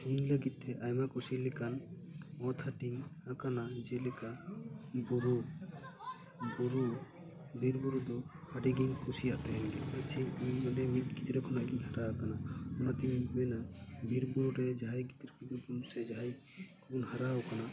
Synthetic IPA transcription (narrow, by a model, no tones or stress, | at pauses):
iɲləɡit̪̚t̪ʰɛʔajmakusilɛkan | ɔt̪ʰaʈiŋakanad͡ʒɛlɛka | buɾu | buɾu | bʱiɾbuɾud̪ɔ | haɖiɡiɲkusijaʔt̪ɛɦɛnɡɛ̰kaɾt͡ʃʰiɲimmɔnɛmit̪̚kid͡ʒɾɛkʰɔnaʔɡiɲhaɾakanaɔnat̪iɲmɛnabʱiɾbuɾuɾɛd͡ʒaɦajɡit̪ɾkid͡ʒɔbunusɛd͡ʒaɦaj | kunhaɾaɔkana